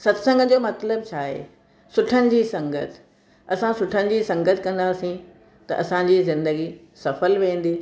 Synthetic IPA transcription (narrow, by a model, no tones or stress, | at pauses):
sɐt̪sə̃ŋɡʱd͡ʑoːmɐt̪ləb̚t͡ɕʰaːɦḛː | sʊʈʰənɪ̆d͡ʑiːsɐ̃ŋɡət̪ʰ | ɐsãsʊʈʰənɪ̆d͡ʑiːsɐ̃ŋɡət̪ʰkɐ̃nd̪aːsĩ | t̪ɐ̰ʔɐsãd͡ʑiːzɪ̃nd̪əɡi | sɐfəlʋẽːn̆d̪iː